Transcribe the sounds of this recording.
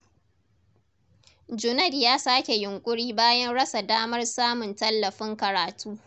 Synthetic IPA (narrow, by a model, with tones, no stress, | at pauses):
d͡ʒʊ˨nɐ˦˨djaː˦saː˦kʲe˨jʊ˨ŋkʷʼʊ˦ɽiː˦baː˦jɐ˦nɽɐ˦sa˨daː˦mɐ˦rsaː˦mʊ˨ntɐ˦lːɐ˨ɸɪ˦ŋkɐ˨ɾaː˨tʰuː˦